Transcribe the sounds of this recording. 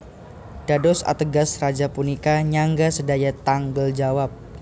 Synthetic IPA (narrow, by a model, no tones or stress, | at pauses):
d̥adɔsa̰t̪əɡasrad͡ʒapunikaɲaŋɡasədajat̪aŋɡəld͡ʒawap̚